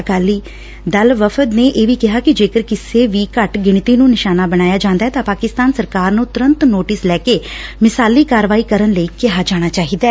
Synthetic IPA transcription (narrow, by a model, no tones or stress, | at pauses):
kaːliː | d̪əlʋəfʰəd̪neːʔeːʋiːkɪɦaːkɪd͡ʒeːkəɾkɪseːʋiːkəʈɡɪɳ̃t̪iːnũːnɪʃaːnaːbəɽ̃aːjaːd͡ʒãːnd̪aːɛːt̪ãːpaːkɪst̪aːnsəɾkaːɾnũːt̪ʊɾə̃nt̪noːʈɪslɛːkeːmɪsaːliːkaːɾʋaːiːkəɾənləiːkɪɦaːd͡ʒaːɽ̃aːt͡ʃaːɦiːd̪aː